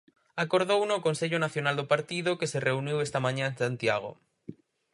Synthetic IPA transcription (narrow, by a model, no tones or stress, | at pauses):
akoɾðownokonseʎonaθjonald̪opaɾt̪iðokesereuniwest̪amãɲãẽnsant̪jaɣ̞o̰